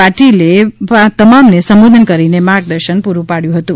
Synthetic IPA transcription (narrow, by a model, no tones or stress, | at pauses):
aʈilepat̪əmamnesʌmbod̪ʱənkəɾinemaɡ̚d̪əɾsənpuɾupaɽjũɦʌt̪ũ